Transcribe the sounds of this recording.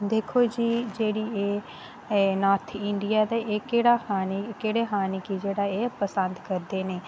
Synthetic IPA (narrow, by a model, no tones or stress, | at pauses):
d̪eːkʰoːd͡ʒiːd͡ʒeːɽiːeː | naːɾt̪ʰɪɳɖijaːd̪aːʔeːkeːɽaːxaːnikeːɽeːɦaːniːkid͡ʒeːɽaːeːpəsənd̪kəɾd̪eːneː